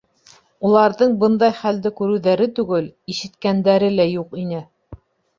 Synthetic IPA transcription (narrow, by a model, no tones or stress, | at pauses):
ulˠɑɾðɤɴbɤnd̪ɑjχæld̪ɘkʉɾʉ̆wðæɾɘt̪ʉɡɘliʃɘ̆t̪kænd̪æɾɘlæjuqinɘ